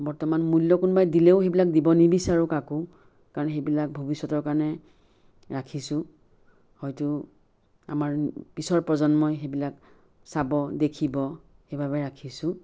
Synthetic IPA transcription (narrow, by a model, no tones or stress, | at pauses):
bɔɹtɔmanmulːɔkʊnbajdilɛʊxejbilak̚dibɔnibisaɹukakʊ | kaɹɔnxejbilak̚bʱobisːɔtɔɹkaɹɔnɛ | ɹakʰisʊ̃ | hɔjtʊ | a̰maɹpisɔɹpɹɔzɔnmɔjxebilak | sabɔdekʰibɔ | xejbʱabɛɹakʰisʊ̃